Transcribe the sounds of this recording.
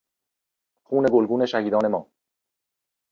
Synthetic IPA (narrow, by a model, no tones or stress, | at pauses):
xuːne̞ɡolɡuːne̞ʃæhiːd̪ɒːne̞mɒː